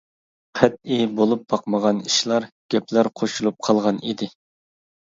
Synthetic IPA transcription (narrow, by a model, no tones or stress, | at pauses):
qʰɛt̪̚ibolˠup̚bɑqməʁɑniʃlˠɑɾɡ̥ʲɛpʰlæɾqʰoʃulˠup̚qʰɑlˠʁɑnid̪ɪ